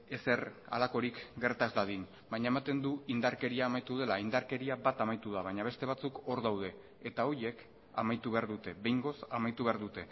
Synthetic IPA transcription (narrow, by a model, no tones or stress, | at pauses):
e̞se̞ra̰lako̞ɾikɡe̞ɾt̪azlaðin | baɲaemat̪e̞nd̪uind̪aɾke̞ɾiaːmajt̪uðe̞laind̪aɾke̞ɾiabat̪amajt̪uðaβ̞aɲaβ̞e̞st̪e̞β̞at͡suko̞ɾðawð̞e̞ː | t̪ao̞ɾje̞k | amajt̪uβe̞aɾðut̪e̞βe̞jŋɡo̞samajt̪uβe̞aɾðut̪e̞